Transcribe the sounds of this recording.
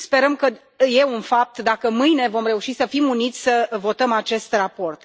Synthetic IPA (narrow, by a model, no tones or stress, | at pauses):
spe̞ɾəmkə | je̞unfap̚t̪d̪akəmɨjne̞vo̞mre̞uʃisəfimunit̪sʲsəvo̞t̪əmat͡ʃe̞st̪rapo̞rt̪